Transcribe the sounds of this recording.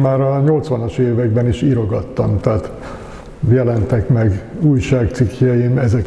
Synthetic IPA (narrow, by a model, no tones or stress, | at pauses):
maːɾɒɲo̞lt̪sʋɒnɒʃeːvɛɡbɛniʃiɾo̞ɡɒt̪ːɒmt̪ɛːt̪ | jɛlɛnt̪ɛkmɛɡuːjʃaːkt̪sikʰjɛjiːnɛzɛk